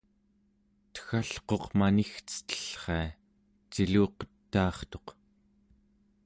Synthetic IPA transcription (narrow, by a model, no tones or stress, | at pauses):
t̪ə̥xaɬqo̞qmanixt͡sə̥t̪ə̥ɬχe̞a | t͡ʃiluːqə̥t̪ːɑːχt̪o̞q